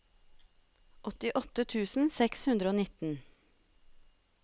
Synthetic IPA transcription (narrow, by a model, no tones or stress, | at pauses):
ʔɔt̪ɪʔɔt̪ət̪ʰʉːsn̩sɛkshʉnd̪ɾəoːnɪt̪n̩